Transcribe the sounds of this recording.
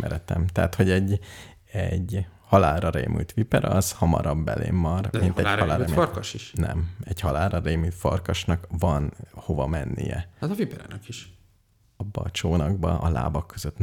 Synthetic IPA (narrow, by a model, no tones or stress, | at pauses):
mɛ̰ɾɛt̪ɛmt̪ɛːt̪ho̞ɟɛɟː | ɛɟhɒlaːlrɒrḛːmʔy̰lt̪ʋipɛɾɒzhɒmɒ̰ɾɒbːɛlʔḛːmːɒrmint̪ɛhɒlaːrkʃiʃnɛmɛɟhɒlaːlrɒreːmyt̪fɒrkɒʃnɒkvɒnho̞vɒmɛnːijɛ̰at̪ɒvipɛɾa̰nɛkiʃ | ɒbːɒːt͡ʃoːnɒɡbɒʔɒla̰ːbɒkːøzøt̪